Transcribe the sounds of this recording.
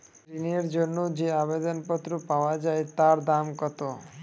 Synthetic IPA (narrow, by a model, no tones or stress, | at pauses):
ineɾd͡ʑonːod͡ʑeabed̪onpɔt̪ːɾopaoad͡ʑaet̪aɾd̪amkɔt̪o